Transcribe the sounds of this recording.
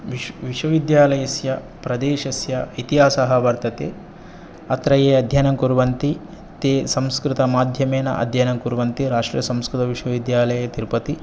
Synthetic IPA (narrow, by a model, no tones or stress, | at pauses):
ʋiʋiʃwɐʋid̪jaːlɐjɐsjɐ | pɾɐd̪eːʃɐsjɐit̪iɦaːsɐɦɐʋɐɾt̪ɐt̪ḛː | ɐt̪ɾɐjeːɐd̪ʱjɐnɐŋkuɾʋɐnt̪i | t̪eːsɐ̃mskɾɪt̪ɐmaːd̪ʱjɐmeːnɐ̰ʔɐ̰d̪ʱjɐnɐŋkuɾʋɐnt̪iɾaːʂʈɾḭjɐsɐ̃mskɾɪt̪ɐʋiʃwɐʋid̪jaːlɐjɐt̪iɾpɐt̪i